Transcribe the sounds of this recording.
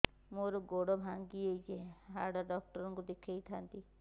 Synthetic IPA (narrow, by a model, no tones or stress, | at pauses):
moɾɔɡoɽɔbʱaŋɡiejd͡ʒeɦaɾɖaɾɖɔk̚ʈɔɾɔŋkud̪ekʰejt̪ʰant̪i